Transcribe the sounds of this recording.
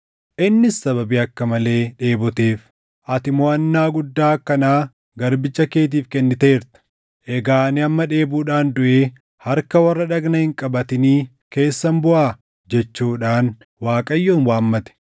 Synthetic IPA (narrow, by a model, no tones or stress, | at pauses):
ʔɪnːɪsːɐβɐbiɐkːɐmɐle̞ːᶑe̞ːbɔt̪e̞ːf | ʔɐt̪ɪmɔɐnːaːɡʊd̪ːaːkːɐnaː | ɡɐɾbɪt͡ʃːɐke̞ːt̪̬iːfkɛnːɪt̪eeːɾt̪ɐ̥ | ʔɛɡaːnɪɐmːɐᶑe̞ːbuːᶑaːnd̪ʊʔeː | hɐɾkɐwɐrːɐᶑɐɡnɐhɪŋkʼɐbɐt̪ɪniː | ke̞ːsːɐmbʊʔaː | d͡ʒɛt͡ʃːuːᶑaːn | waːkʼɐjːoːnwaːmːɐt̪ɛ̥